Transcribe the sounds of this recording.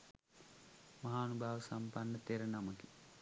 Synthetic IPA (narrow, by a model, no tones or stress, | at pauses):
mɐɦaːnubaːʋəsampanːət̪eɾənaməki̥